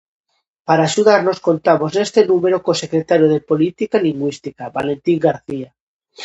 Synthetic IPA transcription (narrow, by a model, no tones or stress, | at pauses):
paɾaːʃuðaɾno̞sko̞nt̪amosne̞st̪e̞nũme̞ɾokose̞kɾet̪aɾjoð̞epo̞lit̪ikaliŋɡwist̪ikabale̞nt̪iŋɡaɾθia